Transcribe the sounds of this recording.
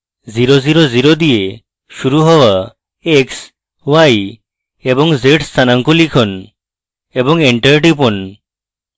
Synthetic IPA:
d͡ziɾod͡ziɾod͡ziɾod̪ije | ʃuɾuɦɔʋa | eks | ʋaj | ebɔŋd͡zeʈst̪ʰanaŋkulikʰɔn | ebɔŋeɳʈəɾʈipɔn

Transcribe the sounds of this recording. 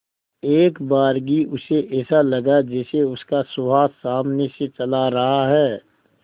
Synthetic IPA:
eːkbaːɾɡiʔʊseʔɛːsalɐɡad͡ʒɛːseʊskasʊbaːsaːmneset͡ʃɐlaɾɐɦaɦɛː

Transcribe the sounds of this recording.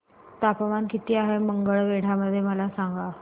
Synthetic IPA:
t̪apəʋankit̪iːaɦeməŋɡəɭʋeɽ̤aməd̪ʱːjeməlasaŋɡa

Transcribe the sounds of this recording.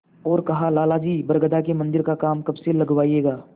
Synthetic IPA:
ɔːɾkɐɦalaːlad͡ʒiːbɐɾɡəd̪akemɐ̃nd̪ɪɾkakaːmkɐbselɐɡʋaːijeːɡaː

